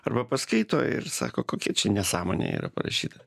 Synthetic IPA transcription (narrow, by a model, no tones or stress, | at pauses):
ɐrbɐpɐskɐɪt̪oːɪ̰ɾsɑ̰ːkoːkoːkʲiɛt͡ʃʲɛnʲɛsɑːmo̰ːnʲḛːḭːɾɐ̰pɐɾɐ̰ʃʲiːt̪ɐ